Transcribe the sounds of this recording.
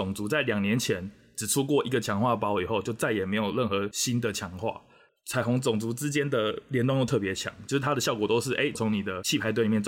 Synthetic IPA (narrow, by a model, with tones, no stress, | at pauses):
ʊ˨˩ŋt͡su˨˥t͡sa˥˩ɪljɑ˨˩ŋnjɛ˧˦nt͡ɕʰjɛ˧˦n | ʈ͡ʂɻ̩˨˩ʈ͡ʂʰu˥kwɔ˥˩i˧˥ɡə˨t͡ɕʰjɑ˧˥˦ŋxwa˥˩pɑ˥ʊi˨˩xo˥˧ʊt͡ɕjo˥˧ʊt͡sa˥˩ɪjɛ˨˩me˧˥ɪjo˨˩ʊɻə˥˩nxɤ˧˥ɕi˦nd̪ə˨t͡ɕʰjɑ˧˥ŋxwa̰˥˩ | t͡sʰa˧˥ɪfo˧˥ŋt͡sʊ˨˩ŋt͡su˧˥ʈ͡ʂɻ̩˦t͡ɕjɛ˥nd̪ə˨ljɛ˧˥nt̪ŋjo˥˧t̪ʰɤ˥˩pjɛ˧˥t͡ɕʰjɑ̰˨˩˦ŋt͡ɕjo˥˧ʊʂɻ̩ʰ˥˩a˥d̪ə˨ɕjɑ˥˨ʊkɔ˨˩t̪o˥ʊʂɻ̩˥˩ʔḛ˥ɪt͡sʰo˧˦˥ŋni˨˩d̪ə˦t͡ɕʰi˥˩pʰa˧˥ɪt̪wi˨˩˧